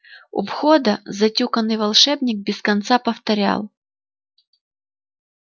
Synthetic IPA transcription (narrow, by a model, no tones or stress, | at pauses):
ʊ̰pxod̪əzɐtʲukənːɨjvɐlˠʂɛbnʲɪk̚bʲɪskɐnt̪sapəft̪ɐɾʲa̰lˠ